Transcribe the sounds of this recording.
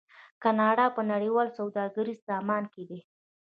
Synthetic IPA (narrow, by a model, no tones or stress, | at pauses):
kanɑɽɑpənaɽiwɑlsawd̪ɑɡaɾizzɑmɑnked̪e